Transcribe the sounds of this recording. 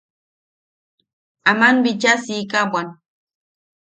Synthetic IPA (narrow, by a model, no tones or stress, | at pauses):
amanbit͡ʃasikabwan